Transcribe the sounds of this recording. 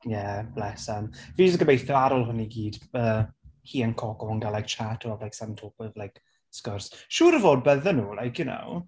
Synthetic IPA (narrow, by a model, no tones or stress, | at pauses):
jɛb̥lɛsanviːd͡ʒəsɡəmejθjɔaɾɔlˠɦʊniɡiːd̥əːhiːənkʰɔɡɔənɡalajk̚t͡ʃʰatʰɔablajksɛmtʰoːpəvlajk | skərsʃuːɾəvoːd̚bəðənuːlajkʰjʊno̰w